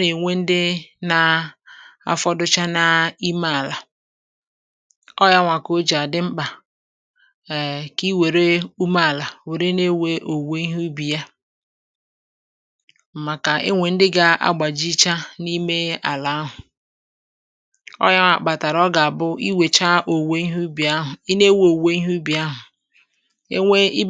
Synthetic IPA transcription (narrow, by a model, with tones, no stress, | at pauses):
ne˨ŋʷe˦n̩˦dɪ˦na˦ | a̰˦fɔ˦dʊ˦t͡ʃa˦na˦i˦ma˦a˨la˨ | ɔ˦ja˦ŋʷa˨ko˦d͡ʒa˨dɪ˦ŋ͡m̩˦k͡pa˨ | ki˦we˨ɾe˦u˦ma˦˨la˨we˨ɾe˦ne˦we˦ʔo˨we˨˦i˦ɦu˦bi˨ja˦ | m̩˨ma˨ka˨ɪ˦ŋʷe˨n̩˦dɪ˦ɡa˦a̰˦ɡ͡ba˨d͡ʒi˦t͡ʃa˦ni˦me˦a̰˨la˦a˦ɦʊ˨ | ɔ̰˦ja˦ŋʷa̰˨k͡pa˨ta˨ɾɔ˦ɡa˨a˨bʊ˦i˦we˨t͡ʃa˦ʔo˨we˦i˦ɦu˦bi˨a˦ɦʊ˨i˦ne˦we˦o˨we˦i˦ɦu˦bi˨a˦ɦʊ˨˦ | e˦i˦